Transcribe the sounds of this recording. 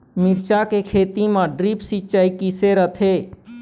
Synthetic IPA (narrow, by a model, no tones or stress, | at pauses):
miɾt͡ʃakekʰet̪imãɖɾipsit͡ʃajkiseɾət̪ʰe